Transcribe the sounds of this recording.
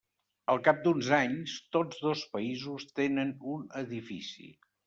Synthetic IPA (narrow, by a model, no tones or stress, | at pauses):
əlˠkap̚d̪unzaɲst̪od͡zðospəizust̪enənunəðifisḭ